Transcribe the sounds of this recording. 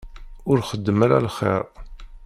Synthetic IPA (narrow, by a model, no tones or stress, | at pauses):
ʊɾχəd̪ːəmaɾa̰lχḛɾ